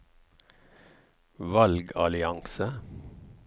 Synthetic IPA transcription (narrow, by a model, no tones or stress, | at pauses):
ʋɑlɡɑlɪɑŋsə